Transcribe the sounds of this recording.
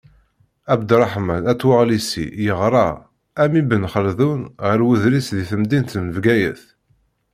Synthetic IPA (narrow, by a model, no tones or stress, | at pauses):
æbd̪ɾˤɑħmænæt͡sːwəʁlisḭjəʁɾˤɑ | æmibənχəlðunʁəɾwuðɾisðiθəmd̪int̪nəvɡæjə̰θ